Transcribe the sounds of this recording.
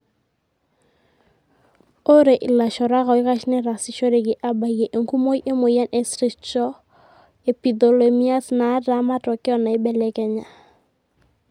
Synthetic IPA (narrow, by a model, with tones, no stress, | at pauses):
o˦ɾe˨ʔɪ˨la˨ʃɔ˨ɾa˦ɣɔ˨ɪ˦ka˦ʃnɛ˦ɾa˨sɪ˨ʃo˦ɾe˨ɡɪ˨ʔa˦ba˨je˨ʔe˨ŋku˦mo˦jʔe˦mo˨ja˦nʔɛ˨sɾi˦t͡ʃɔ˦ | e˨pi˨d̪o˨le˨mi˦a˦sna˨˦da˨˦ma˦tɔ˨kɪ˦ɔ˦na˨ɪ˦bɛ˨lɛ˦kɛ˦ɲa˨